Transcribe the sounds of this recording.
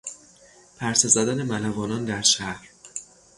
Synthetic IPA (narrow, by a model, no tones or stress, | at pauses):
pʰæɾsezæd̪ænemælævɒːnɒːnd̪æɾʃæhɾ